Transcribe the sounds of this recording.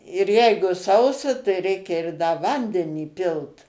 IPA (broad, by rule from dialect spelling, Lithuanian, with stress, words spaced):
ɪr ˈjɛɪɡʊ ˈsɐʊsɐ tɐɪ ˈrʲɛɪkʲɛ ɪr dɐ ˈʋɐnʲdʲɛnʲiː ˈpʲɪlˠt